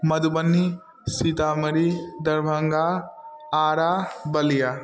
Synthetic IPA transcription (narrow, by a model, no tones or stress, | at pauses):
mɐd̪ubɐnːi | sit̪amɐɾid̪ɐɾbʱəŋɡa | aːɾabɐlija